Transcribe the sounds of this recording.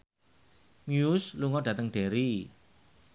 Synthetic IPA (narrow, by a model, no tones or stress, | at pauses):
mjusluŋɔɖ̥a̤t̪əŋɖ̥eɾi